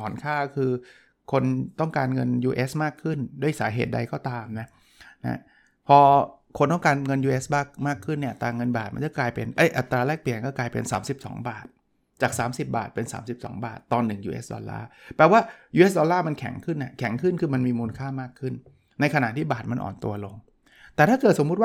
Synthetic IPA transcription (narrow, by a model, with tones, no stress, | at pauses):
ɔː˩˦nkʰaː˥˩kʰɯː˧ | kʰo˧nt̪ɔ˥˩ŋkaː˧nŋɤ˧njuː˧ʔeː˦˥smaː˥˩kʰːɯ˥˩ndu˥˩əjsa̰ː˩˦ɦḛː˨˩t̪̚da˧jkɔː˥˩t̪aː˧mna˦˥ | na̰˦˥ | pʰɔː˧kʰo˧nt̪ɔ˥˩ŋkaː˧nŋɤ˧njuː˧ʔeː˦˥sbaː˥˩k̚maː˥˩kʰːɯ˥˩nːi˥˩ɐt̪aː˧ŋɤ˧nbaː˨˩t̪̚ma̰˧nt͡ɕa˧˥˩klaː˧jpḛ˧nʔɤ˦˥˩jʔa˨˩t̪ːɾaː˧lɛː˥˩k̚pli˨˩ənkɔː˥˩klaː˧jpḛ˧nsaː˩˦msi˨˩p̚sɔ̰ː˩˦ŋbaː˨˩t̪̚ | t͡ɕaː˨˩k̚saː˩˦msi˨˩p̚ba̰ː˨˩t̪̚pe˧nsa̰ː˩˦msi˨˩p̚sɔ̰ː˩˦ŋbaː˨˩t̪ːɔː˧nːɯ˨˩ŋjuː˧ʔḛ˦˥sdɔ̰˧lːa̰ː˥˩pɛː˨˧waː˥˩juː˧ʔe˦˥sdɔː˧lːaː˥˩ma˧nkʰɛ̰˨˩˦ŋkʰɯ˥˩nʔa˦˧˩kʰɛ˨˩˦ŋkʰɯ˥˩nkʰɯː˧ma˧nmiː˧muː˧nkʰaː˥˩maː˥˩kʰːɯ˥˩n | na˧jkʰa˧na̰˨˩ʔt̪ʰiː˥˩baː˨˩t̪̚ma˧nʔɔ̰ː˨˩nt̪ṵ˧ɐlo˧ŋ | t̪ɛː˨˩t̪ʰaː˥˩kɤː˨˩t̪̚so˩˦mːu˦˥t̪wa˥˩